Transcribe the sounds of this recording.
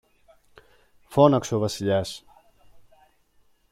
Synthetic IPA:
fonɐksovɐsiʎɐs

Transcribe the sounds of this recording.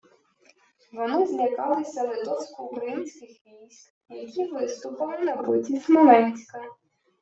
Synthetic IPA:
ʋɔnɪzʲnʲikɑlˠɪsʲɐlˠɪd̪ɔsʲkɔkɾimsʲkʲɪxʋʲijsʲt̪ʲ | jɐkʲiʋɪst̪ʊpɐlˠɪnɐbɪtʲismɔlɛnʲsʲkɐ

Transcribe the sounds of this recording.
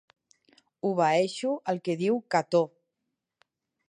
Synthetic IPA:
uβaeʃuəlˠkeðiwkat̪o

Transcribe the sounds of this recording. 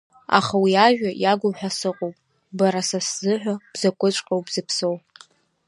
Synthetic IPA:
a̰χawiaʒᶣajaɡʷʊmħʷᶣasɨqʼowpʼ | baɾasaszɨħʷᶣab̥zakʷʰʼʊt͡ʃʷʼqʲʼawbzɨpʰsowʼ

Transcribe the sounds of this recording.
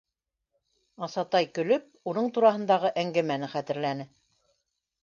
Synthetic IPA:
ɑsɑt̪ɑjkɵ̆lɵp̚unɤɴt̪uɾɑɦɤ̆nd̪ɑʁɤʔæŋɡæmænɘχæt̪ɘ̆ɾlænɘ

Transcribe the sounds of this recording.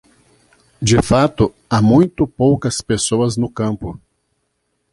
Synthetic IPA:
d͡ʒɪfat̪ʊ | amũj̃t̪ʊpowkɐspesoɐznʊkɐ̃mpʊ

